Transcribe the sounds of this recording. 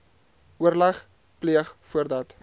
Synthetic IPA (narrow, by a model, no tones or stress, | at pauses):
uərlɐχ | pliəχfuərdɐt